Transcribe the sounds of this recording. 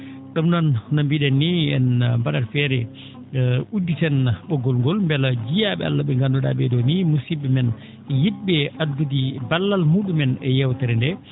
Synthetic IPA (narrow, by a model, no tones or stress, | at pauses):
ɗɔmnannambiɗɛnːiɛ̰nmbaɗaɾfɛɾɛ | udːisɛnɓɔɡɔlŋɡɔlmbɛlad͡ʒijaɓɛ̰a̰lːaɓɛŋɡandɔɗa̰ɓɛɗɔnimusiɓɛmɛn | jit̚ɓɛʔadɡudibalːalmuɗumɛnɛjɛwt̪aɾɛndɛ